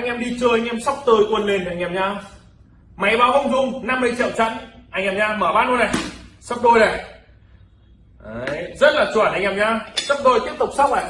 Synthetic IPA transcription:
ʔa˧jŋ̟ʔɛ˧mɗi˧t͡ɕəː˧ʔŋ̟ʔɛ˧msa˦˥wk͡p̚t̪əː˧˩jkwə˧˩nle˨˩nʔa˧jŋ̟ʔɛ˧˩mɲaː˧ | ma˨˦jɓaː˧wvɔ˧wŋ͡mzʊ˧ŋ͡mna˧mːɨ˧ət͡ɕḭ˧˨wt͡ɕə̰˧˥nʔa˧jŋʔɛː˧˩mɲaː˧məː˧˩ɓaː˧nho˧jna˨˩sə˦˥k͡p̚ɗo˧jnə˨˩j | ʔjzə˦˥t̚laː˨˩t͡ɕu˧˩˨nʔa˧jŋ̟ʔɛ˧˩mɲaː˧sə˦˥p̚ɗo˧jt̪i˦˥əp̚t̪ʊ˨˩k͡p̚sa˦˥k͡p̚a˨˩

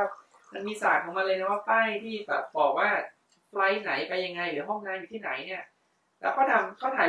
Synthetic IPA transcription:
ma˧nmiː˧saː˨˩k̚kʰːɔː˨˩˦ŋma˧nlɤː˧na˥˩waː˥˩p̪aː˥˩jt̪ʰiː˥˩bɛ̰ː˨˩p̚bɔː˨˩k̚waː˥˩ | pla˦˥jna˩˦jpa˧jːa˧ŋːa˧jlɯː˨˩˦ɐɦɔ˥˩ŋnaː˧njuː˨˩iː˥˩na˩˦jni˥˩ɐ | lɛː˦˥wkɔː˥˩t̪ʰa˧mkʰɔa˥˩ɦʰaː˨˦

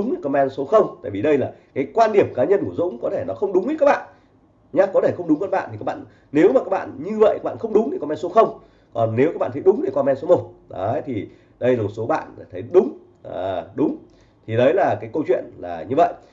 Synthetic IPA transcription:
ɗʊ˨˦ŋ͡mɗkɔ˧mɛ˧nso˨˦xə˧wŋ͡mt̪a̰ː˧˨jvi˨˩ɗə˧jlaː˨˩kaː˨˦jkwaː˧nɗi˧˩əmkaː˨˦ɲə˧nku˧˩əzʊ̰˧˥ŋ͡mkɔ˨˦t̪ʰe˧˩nɔ˨˦xə˧wŋ͡mɗʊ˨˦ŋ͡mʔi˦t̚kːk̚ɓa̰ː˧˨n | ɲa˧kɔ˨˦t̪e˧˩xə˧ŋ͡mɗʊ˨˦ŋ͡mkə˧nɓa̰ː˧˨nt̪i˨˩kːa˦kɓa̰ː˧˨n | ne˨˦wmaː˨˩kaː˦˥ɓa̰ː˧˨nɲɨ˧və̰˧˨jka˦˥ɓa̰ː˧˨xə˧wŋ͡mɗʊ˨˦ŋ͡mt̪i˨˩kɔ˧mɛ˧nso˨˦xə˧wŋ͡m | kɔ˨˩nːe˨˦wa˦˥kɓa̰ː˧˨t̪ʰə˨˦jɗʊ˨˦ŋ͡mɗi˧˩kɔ˧mɛ˧nso˨˦mo˨˩t̚ɗə˨˦t̪ʰi˨˩ | ɗə˧jla˨˩mo˨˩t̚so˨˦ɓa̰ː˧˨n˨˩t̪ʰə˨˦jɗʊ˨˦ŋ͡m | ʔa˨˩ɗʊ˨˦ŋ͡m | t̪ʰi˨˩ɗə˨˦jlaː˨˩kaː˨˦jkə˧wt͡ɕwḭ˧˨ənlaː˨˩ɲɨ˧və̰˧˨jʔ

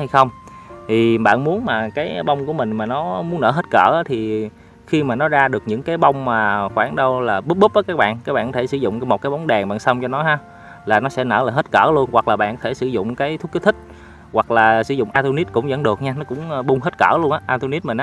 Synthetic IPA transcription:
ha˧jxə˧wŋ͡mt̪ʰi˨˩ɓa̰ː˧˨nmu˨˦ənmaː˨˩kaː˨˦jɓa˧wŋ͡mku˧˩əmï˨˩ŋ̟maː˨˩nɔ˨˦mu˨˦ənːəː˧˩ɦə˦˥t̚kə̰ː˧˩ʔaː˨˦t̪ʰi˨˩ | xi˧maː˨˩nɔ˨˦zaː˧ɗɨ˨˩ək̚ɲɨ̰˧˥ŋkaː˨˦jɓa˧wŋ͡mmaː˨˩xwaː˧˩nɗə˧wlaː˨˩ɓɨ˦˥p̚ɓɨ˦˥p̚vəː˨˦jkaː˦˥k̚ɓa̰ː˧˨nkaː˦˥k̚ɓa̰ː˧˨kɔ˧tʰe˧˩sɨ˧˩zʊ̰˧˨ŋ͡mmo˨˩kaː˨˦ɓwŋ͡mɗa˨˩ŋɓa̰ː˧˨nsə˧wŋ͡mt͡ɕɔ˧nɔ˨˦ɦaː˧ | laː˨˩nɔ˨˦sɛ̰˧˥nə̰ː˧˩laː˨˩ɦe˦˥t̚kə̰ː˧˩lu˧ənwa˨˩k̚laː˨˩ɓa̰ː˧˨nkɔ˧t̪ʰe˧˩sɨ˧˩˦zʊ̰˧˨ŋ͡mkaː˨˦jt̪ʰʊ˦˥kəː˨˦t̪ʰi˦˥k̟̚ | wa˨˩k̚laː˨˩sɨ̰˧˩zʊ̰˧˨ŋ͡mʔaː˧t̪o˧ni˦˥t̚kʊ̰˧˥ŋ͡mzə̰˧˥nɗɨ˨˩ək̚ɲaː˧nɔ˨˦˥kʊ̰˧˥ŋ͡mɓʊ˧ŋ͡mɦə˦˥t̚kə̰ː˧˩lu˧ənʔaː˧˦ʔaː˧t̪o˧ni˦˥t̚mï˨˩nʔ

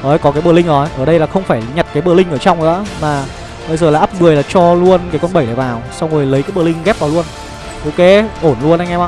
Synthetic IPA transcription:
nɔ˨˦jkɔ˨˦kaː˨˦jɓə˧˩lï˧ŋʔə˨˩˦jʔəː˧˩ɗə˧jlaː˨˩xə˧wŋ͡mfaː˧˩jɲa˨˩t̚kaː˨˦jɓəː˧˩lï˧ŋ̟ʔəː˧˩t͡ɕa˧wŋ͡mʔɨ̰ː˧˥˦maː˨˩ | ɓə˧jzəː˨˩laː˨˩ʔːp̚mɨ˨˩əjlaː˨˩t͡ɕɔ˧lu˧ənkaː˨˦jkɔ˧nɓə˧˩jɗəː˨˧˩vaː˨˩wsa˧wŋ͡mŋo˨˩jlə˨˦jkaː˨˦jɓəː˧˩lï˧ŋ̟ɣɛ˦˥p̚vaː˨˩wlu˧ən | ʔo˧ke˨˦ʔo˧˩nlu˧ənʔa˧jŋ̟ʔɛ˧mʔa˧

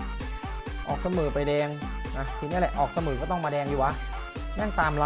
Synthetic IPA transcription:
ʔɔː˨˩k̚sa˧mɯː˨˩˦pa˧jdɛː˧ŋna˦˥t̪ʰiː˧ni˦˥˨lɛ˨ʔɔː˨˩k̚sa˧mɯː˨˩˦kɔː˥˩t̪ɔ˥˩ŋmaː˧dɛː˧ŋjuː˨˩ʔa˦˥ʔ | dɛː˥˩ŋt̪aː˧mla˧

